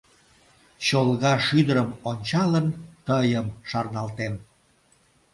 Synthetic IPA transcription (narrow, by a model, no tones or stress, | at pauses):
t͡ɕolɣɑʃyd̪əɾəmonʲt͡ɕɑlənt̪əjəmʃɑrnɑlt̪em